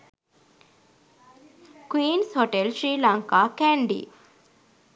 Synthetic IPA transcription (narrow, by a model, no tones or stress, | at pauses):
kwiːnshoʈelsɾiːlaŋkaːkæɳɖḭ